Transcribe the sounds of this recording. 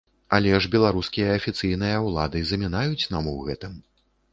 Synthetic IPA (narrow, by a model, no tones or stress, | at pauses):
ɐlʲɛʐbʲɛlˠaɾuskʲijɐːfʲit̪sɨjnɨjɐwlˠad̪ɨzɐmʲinajut͡sʲnamuɣɛt̪ɨm